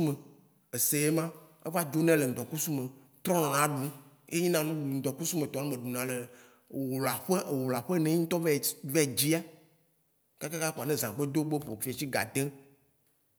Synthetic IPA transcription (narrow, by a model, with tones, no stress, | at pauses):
u˦me˨ | e˨se˨je˦mã˦ | ḛ˦va˦d͡ʒo˦nɛ̃˦le˨ŋ̩˨d̪ɔ˨ku˦su˦me˨ | t̪ɾɔ̃˦nã˨ã˨˦ɖu˦e˦ɲĩ˦nã˦nũ˦ɖu˨n̩˨d̪ɔ˨ku˦su˦me˨t̪ɔ̃˨nũ˦me˨ɖu˨nã˨le˨ | wla˨ɸe˦ʔwo˨la˨ɸe˦nẽ˨˦i˦ŋ̩˦t̪ɔ˦vɛ˦˨vɛ˦˨d͡ʑi˦a˦ | ka˦ka˦ka˦ku˨a˨nẽ˦zã˨ɡ͡be˦d̪o˦ɡ͡be˦ɸo̰˨fi˨a˨t͡ɕi˦ɡa̰˨d̪e˦